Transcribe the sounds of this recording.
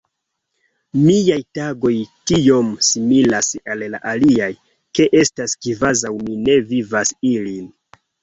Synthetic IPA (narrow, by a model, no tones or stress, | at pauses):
miajtaɡo̞jtio̞msimilasalla̰ʔaliaj | ke̞ʔe̞staskivazawmine̞vivasilin